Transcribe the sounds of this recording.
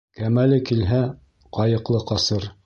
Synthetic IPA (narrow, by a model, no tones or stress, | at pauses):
kæmælɘkilɦæ | qɑjɤ̆qlˠɤqɑsɤɾ